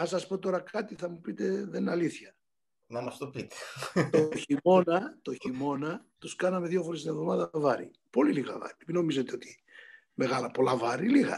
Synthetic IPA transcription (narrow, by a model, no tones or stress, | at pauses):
ɐsɐspo̞t̪o̞ɾɐkɐt̪iθɐmupit̪e̞ðenɐliθçɐ | nɐmɐst̪opit̪e̥t̪oçio̞nɐt̪o̞çimo̞nɐt̪uskɐnɐmeðʝo̞fo̞ɾest̪inevðo̞mɐðɐvɐɾḭ | po̞liliɣɐ̰vɐ̰ɾilepino̞mizet̪eo̞t̪i̥ | me̞ɣɐlɐpo̞lɐvɐɾiliɣɐ̰